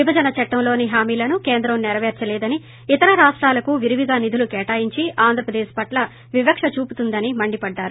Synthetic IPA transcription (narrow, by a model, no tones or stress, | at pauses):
ʋibʱɐd͡ʒɐnɐt͡ʃɐʈːɐmlo̞ːniɦaːmiːlɐnukeːnd̪ɾɐmnɛɾɐʋɛːɾt͡ʃɐlɛːd̪ɐni | it̪ɐɾɐɾaːʂʈɾaːlɐkuʋiɾiʋiɡaːnid̪ʱulukɛːʈaːjiɲt͡ʃiʔaːnd̪ʱɾɐpɾɐd̪ɛːʃpɐʈlɐ | ʋibɐkʂɐt͡ʃuːput̪und̪ɐnimɐɳɖipɐɖːaːɾu